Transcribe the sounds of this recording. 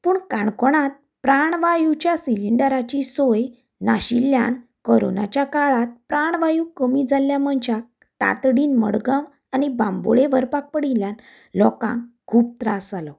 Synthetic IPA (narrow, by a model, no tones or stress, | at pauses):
puːɳkaɳkɔɽ̃at̪̚ | pɾaɳʋajut͡ɕjasiliɳɖəɾat͡ɕisoj | naɕilja̰nkəɾo̰na̰t͡ɕjakaɭat̪̚pɾaɳʋajukəmiːd͡zaljaməɳt͡ɕak̚ | t̪a̰t̪ɽiːnmə̰ɽɡãm | anibãmbo̰ɭeʋəɾpak̚pəɽiljan | lɔkã̰ŋkʰuːp̚t̪ɾasalɔ